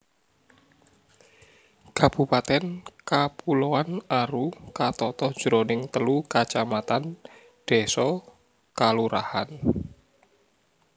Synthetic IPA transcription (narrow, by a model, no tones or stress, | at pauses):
kab̥ṳpat̪ɛnkapuloanaɾukat̪ɔt̪ɔd̥ʒ̥ɾonɪŋt̪əlukat͡ʃamat̪an | d̪̥e̤sɔ | kaluɾahan